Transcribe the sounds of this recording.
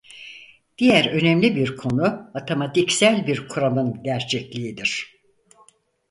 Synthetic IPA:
d̪̥ijæɾø̞nɛmlʲibiɾkʰo̞nuat̪ʰomat̪icsælʲbiɾkʰuɾalˠɯnɟæɾt͡ʃʰɛclʲiid̪iɾ̥

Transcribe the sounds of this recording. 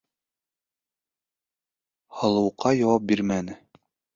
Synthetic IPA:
hɑlˠɤ̆wqʰːɑjɑwɑp̚biɾmænɘ

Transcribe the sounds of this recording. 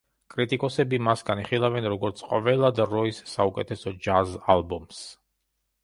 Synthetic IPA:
kʼɾit̪ʼikʼɔsɛbimasɡaniχilˠavɛnɾɔɡɔɾt̪sʰqʼɔvɛlˠad̪ɾɔisːaukʼɛt̪ʰɛsɔd͡ʒazalˠbɔms

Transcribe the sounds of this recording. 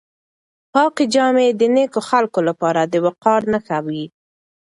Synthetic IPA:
pɑqed͡ʒɑmed̪ənekoxalkolapɑɾad̪əwaqɑɾnaxawi

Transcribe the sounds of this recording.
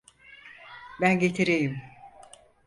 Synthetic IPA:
bænɟet̪ʰiɾejim

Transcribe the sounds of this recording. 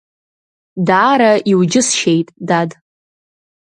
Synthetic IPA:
daːɾaiwd͡ʒɪsʃejtʼdad

